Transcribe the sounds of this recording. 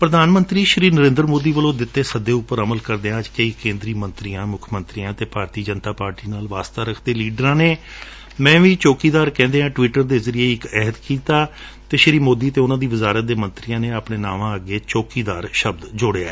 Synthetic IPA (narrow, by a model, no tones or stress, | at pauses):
pɾəd̪aːnmənt̪ɾiːʃɾiːnəɾẽːnd̪ɾmoːd̪iːʋəlõːd̪ɪt̪ːeːsəd̪eːʊpːəɾəməlkəɾd̪eːɦãːd͡ʒkəiːkẽːnd̪ɾiːmənt̪ɾiːãːmʊkʰmə̃nt̪ɾiːãːt̪eːpaːɾt̪iːd͡ʒənt̪aːpaːɾʈiːnaːlʋaːst̪aːɾəkʰd̪eːliːɖəɾãːneː | mɛ̃ːʋiːt͡ʃoːkiːd̪aːɾkɛ̃ːnd̪eːãːʈʋiːʈəɾd̪eːzəɾieːɪkɛɦət̪kiːt̪aː | t̪eːʃɾiːmoːd̪iːt̪eːʊnãːd̪iːʋɪzaːɾət̪̚d̪eːmənt̪ɾijãːneːəpɳeːnaːʋãːəɡeːt͡ʃoːkiːd̪aːɾʃəb̚d̪d͡ʒoɽeːa̰ːɛː